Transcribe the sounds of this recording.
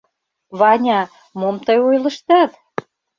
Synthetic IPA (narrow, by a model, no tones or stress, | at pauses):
βɑnʲɑ | momt̪ɤjojlə̆ʃt̪ɑt̪